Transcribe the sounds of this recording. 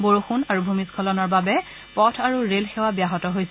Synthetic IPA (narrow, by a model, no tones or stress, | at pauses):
boɹuxunaɹubʱumiskʰɔlɔnɔɹbabɛ | pɔtʰaɹuɹelxewabjaɦɔtɔɦojsɛ